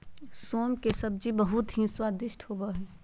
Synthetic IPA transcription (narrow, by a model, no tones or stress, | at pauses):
soːmkesɐb̚d͡ʒibəɦʊt̪ɦĩswaːd̪ɪʃʈhoːbaɦɛ